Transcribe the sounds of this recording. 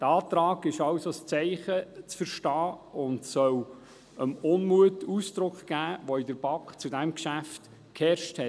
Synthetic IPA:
d̥ɑːtɾɑːɡɪʃɑwsost͡sɛɪχət͡sfəɾʃtɑːʊntsœw | əmʊnmuətusd̥ɾʊkχɡ̥æːʋoɪd̥əɾb̥ɑkχt͡sudæmkʃæft | khɛɾʃthɛt

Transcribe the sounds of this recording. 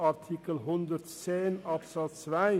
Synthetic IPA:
ɑrt̪ʰikəlɦɔnd̪ərtseːnɑpsɑt̪sʋɛ

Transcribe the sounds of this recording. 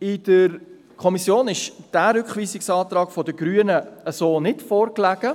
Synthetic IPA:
ɪd̥əɾ | kʰɔmisjoːnɪʃd̥æːɾʏkχʋiːsɪksɑːt̪ɾɑːɡ̥fɔdəɡɾyːənəəsoːnɪtfɔːɾklæɡ̥ə

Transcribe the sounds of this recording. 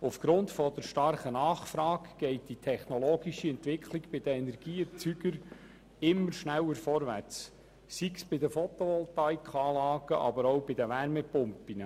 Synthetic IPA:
ufɡ̥ɾʊntfɔd̪əɾʃtɑrχənɑːχfɾɑːɡɡ̥ɛɪtd̥itʰɛχnɔlɔːɡiʃiɛntʋɪkʰliɡb̥ɪd̥̪əɛnɛɾɡ̥iːət͡syɡ̥əɾ | ɪmːəɾʃnæwːəɾfɔɾʋært͡s | siksb̥ɪdəfɔt̪ɔʋɔlt̪ɑjkχɑːlɑːɡəʔɑ̰bəɾowbɪd̪əʋæɾmɛpʊmpːinə

